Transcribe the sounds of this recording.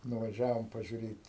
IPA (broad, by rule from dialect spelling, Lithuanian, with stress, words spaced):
nʊʋɐˈʒʲæːʋoːm pɐʒʲʊˈrʲeːtʲ